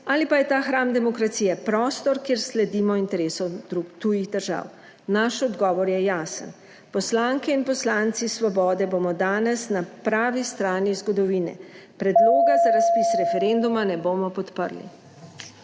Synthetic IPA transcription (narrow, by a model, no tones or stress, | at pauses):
aːlipajɛt̪aːxɾamd̪ɛmɔkɾat̪siːjɛpɾɔːst̪ɔɾkjeːɾslɛd̪iːmɔint̪ɛɾeːsɔd̪ɾut̪ujiɣd̪əɾʒa̰ːw | naʃɔd̪ɡɔːʋɔɾjɛjaːsə̰n | pɔslaŋkɛinpɔslaːnt̪sisʋɔbɔːd̪ɛboːmɔd̪aːnɛsnapɾaːʋist̪ɾaːnizɡɔd̪ɔʋiːnɛ̰ | pɾɛd̪loːɡazaɾaspisɾɛfɛɾend̪umanɛboːmɔpɔt̪pə̰ɾlḭ